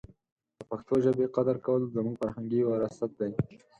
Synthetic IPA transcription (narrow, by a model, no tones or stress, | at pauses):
d̪̥əpaxt̪oʒəbeqad̪aɾkawəlzamuɡfaɾhaŋɡiwaɾasat̪̚d̪aj